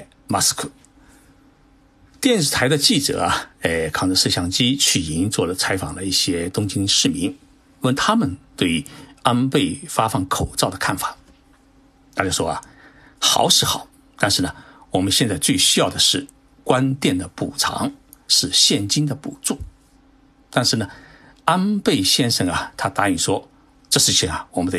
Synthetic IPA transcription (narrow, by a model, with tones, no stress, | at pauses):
ma˥skʰu˥˩ | t̪jɛ˥˧nʂɻ̩˥˩t̪ʰa˧˥ɪd̪ə˧t͡ɕi˥˩ʈ͡ʂɤ̰˨˩ɐ˦e˥˧kʰɑ˥˩ŋʈ͡ʂə˧ʂ̩˥˧ɕjɑ˥˩ŋt͡ɕi˥t͡ɕʰy˥˩i˧˥nt͡swɔ˥˩lə˩t͡sʰa˧˥ɪfɑ˨˩ŋd̪ə˦i˥˩ɕjɛ˥t̪ʊ˥ŋt͡ɕi˥nʂɻ̩˥˩mi˧˥n | wə˥˧nt̪ʰa˥mə˨nt̪we˥˩ɪa˥npe˥˩ɪfa˥fɑ˥˩ŋkʰo˨˩ʊt͡sɑ˥˩ʊd̪ə˩kʰa˥˩nfḁ˨˩˦ | t̪ʰa˥˧t͡ɕjo˥˩ʊʂwɔ˥ɐ̰˨ | xɑ̰˨˧˥ʊʂɻ̩˥˩xɑ˨˩˦ʊ | t̪a˥˧nʂɻ̩˥˩nə˩wɔ˨˩mə˦nɕjɛ˥˧nt͡sa˥˧ɪt͡swe˥˧ɪɕy˥jɑ˥˩ʊd̪ə˩ʂɻ̩˥˩ | kwa˥nt̪jɛ˥˩nd̪ə˩pu˨˩ʈ͡ʂʰɑ̰˧˥ŋ | ʂɻ̩˥˧ɕjɛ˥˩nt͡ɕi˥nd̪ə˨pṵ˨˩t͡su˥˩ | t̪a˥˧nʂɻ̩˥˩nə˩ | a˥npe˥˩ɪɕjɛ˥nʂɤ˥˩ŋɐ˨˩t̪ʰa˥t̪a˧˥i˨˩ʂwɔ˥ | ʈ͡ʂɤ˥˧˩ʂɻ̩˥˧t͡ɕʰi˧˥ŋɐ˩wɔ˨˩mə˦nd̪ə˧